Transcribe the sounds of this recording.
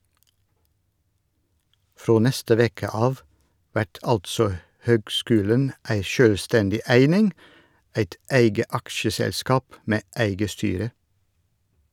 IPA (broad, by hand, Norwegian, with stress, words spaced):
ˈfɾoː ˈnɛstə ˈʋeːkə ˈɑːʋ ˈʋæʈ ˈɑltsɔ ˈhøːɡˌskʉːlən ˈæɪ ˈʃøːlˌstɛndɪ ˈæɪnɪŋ ˈæɪt ˈæɪɡə ˈɑkʃəsɛlˌskɑːp ˈmeː ˈæɪɡə ˈstyːɾə